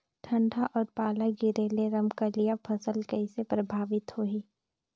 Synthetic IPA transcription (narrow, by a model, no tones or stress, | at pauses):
ʈʰɐ̃ɳɖʱaʔɔːɾpaːlaɡɪɾeːleɾɐmkalijapʰɐsəlkəɪsepɾɐbʱaːʋɪt̪hoːiː